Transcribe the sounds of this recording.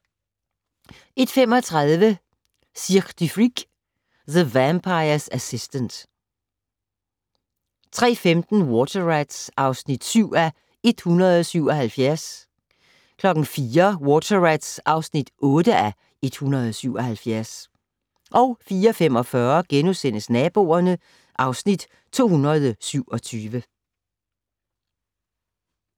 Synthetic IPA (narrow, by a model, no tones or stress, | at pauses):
e̝d̥femɒ̽t͡sʰʁað̞ˠʋə | siʁd̥ifʁiɡ̥ | ðəʋæmpʰɑ̈ɪɐsæsisd̥ənd̥ | t͡sʰʁɛ̰ːfemd̥n̩wɔt͡sʰɐʁæd̥sɑ̈ʊsnid̥syʊ̰æ | e̝d̥hunʁɐð̞̩ˠɒ̽syʊ̰ɒ̽hælfjæɐ̰s | kʰlɒ̽ɡ̥n̩fiːɐwɔt͡sʰɐʁæd̥sʔɑ̈ʊsnid̥ʔɔ̽ːd̥əʔæ | e̝d̥hunʁɐð̞ˠɒsyʊ̰ɒ̽hælfjæɐs | ʔɒ̽ʊfiːɐɒfem̰ɒ̽fɶːɐɡ̥enusen̰əsnɛːb̥o̝̰ːɐnə | ʔɑ̈ʊsnid̥ | t͡sʰo̝̰ːhunʁɐðˠsyʊ̰ɒ̽t͡sʰyːʋə